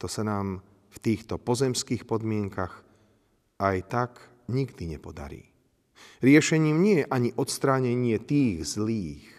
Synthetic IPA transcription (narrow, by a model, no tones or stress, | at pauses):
t̪ɔsanaːm | ft̪iːxt̪ɔpɔzɛmskiːxpɔd̪mɪɛŋkaɣ | ajt̪ak | ɲiɡd̪iɲɛpɔd̪a̰ɾḭː | ɾɪɛʃɛɲiːmɲɪɛjɛʔaɲiʔɔt̪st̪ɾaːɲɛɲɪɛt̪iːɣzliːx